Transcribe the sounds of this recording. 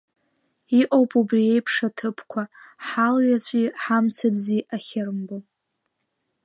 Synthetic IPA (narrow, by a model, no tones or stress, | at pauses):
iʔʼowpʼubrie̞jpʰʂatʰɨpʰkʷʰaħalɥat͡ɕʷʼiħamt͡sʰabziʔaχʲɪrɨmbo